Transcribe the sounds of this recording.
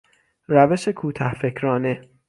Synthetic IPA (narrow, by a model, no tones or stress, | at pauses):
ɾæveʃe̞kʰuːt̪ʰæhfekʰɾɒːne